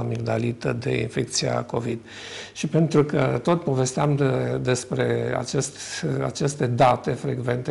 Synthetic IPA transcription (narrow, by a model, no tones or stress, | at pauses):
miɡd̪alit̪əd̪e̞̰ḭnfek̚t̪sia̰ko̞vid̪ | ʃipe̞nt̪ɾukət̪o̞t̪po̞ve̞st̪eamd̪e̞spɾe̞a̰t͡ʃest̪a̰t͡ʃe̞st̪e̞d̪at̪e̞fɾe̞ɡve̞nt̪e